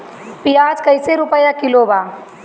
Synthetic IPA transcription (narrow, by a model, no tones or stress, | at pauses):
pijaːd͡ʒkəɪseɾʊpəjakɪlobaː